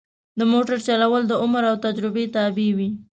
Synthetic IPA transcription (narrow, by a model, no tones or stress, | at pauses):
d̪əmoʈaɾt͡ʃalawəld̪əʊmɾawt̪ad͡ʒɾɪbet̪abiwi